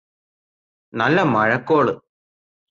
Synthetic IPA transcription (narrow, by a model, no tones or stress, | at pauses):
nɐlːɐmɐɻɐkːoːɭɨ